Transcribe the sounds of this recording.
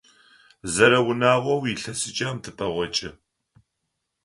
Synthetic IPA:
zɐɾɐwʊnaːʁʷɔwjiɬɐsɨt͡ʃʼaːmtʰɨpʼɐʁʷɔt͡ʃʼɪ

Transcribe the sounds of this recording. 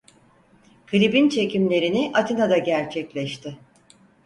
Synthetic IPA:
kʰɯlʲibint͡ʃʰe̞cimlʲe̞ɾiniʔat̪ʰinad̪aɟæɾt͡ʃʰɛclʲɛʃt̪ʰɪ

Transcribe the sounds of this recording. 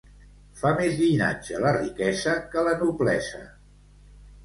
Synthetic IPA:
famezʎina̰d͡ʒələrikɛzəkələnuβlɛzə̰

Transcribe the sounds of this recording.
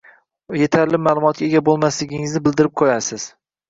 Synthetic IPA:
je̞t̪ʰaɾlɪmaːlˠʊmɒt̪̚kʲaeɡʲabolˠmaslɪɡʲɪŋɪznɪbɪld̪ɪɾɪp̚qʰojasɪz̥

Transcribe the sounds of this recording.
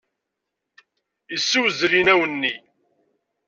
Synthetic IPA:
əsːuwzɾinæwənːi

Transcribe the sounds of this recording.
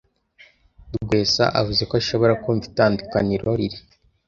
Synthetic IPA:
dɡwe̞ːsa̰ʔavuze̞koaʃoβo̞ɾakoɱvi̥taːndukaniɾo̞ɾiɾi

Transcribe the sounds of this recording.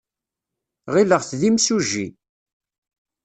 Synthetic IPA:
ʁiləʁθðimsuʒḭ

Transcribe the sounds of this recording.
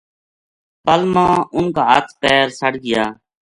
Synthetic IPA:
pəlmãːʊnkaːə̰t̪ʰpɛːɾsəɽɡɪjaː

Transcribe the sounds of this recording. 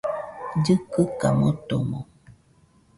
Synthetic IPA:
d͡ʒɨkɨkamot̪omo

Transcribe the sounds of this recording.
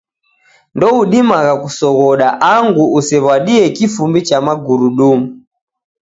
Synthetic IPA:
ndɔuɗimaɣakusɔɣɔɗaʔaŋɡuusɛβwaɗiɛkifumbit͡ʃamaɡuɾuɗuːmu

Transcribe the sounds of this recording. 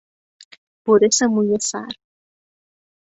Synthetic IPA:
poɾesemujesa̰ɾ

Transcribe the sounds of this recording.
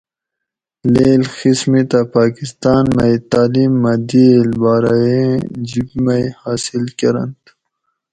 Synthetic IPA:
leːlxismit̪apaːkist̪aːnmɐjt̪aːlimːɐd̪ielbaːɾajẽd͡ʑikmajjhaːsilkɐɾɐ̰nt̪

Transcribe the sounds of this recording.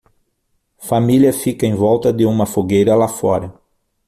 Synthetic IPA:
familjɐfikɐẽj̃vɔwt̪ɐd̪ɪũmɐfoɡejɾɐlafɔɾɐ

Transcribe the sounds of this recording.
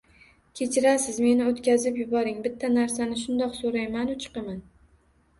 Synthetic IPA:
kʲʰe̞t͡ʃʰɪɾasɪzme̞nɪot̪kʲazɪpjʊbɒɾɪŋbɪt̪ʰːanaɾsanɪʃʊnd̪ɒqsoɾajmanʊt͡ʃʰɨ̥qɨman

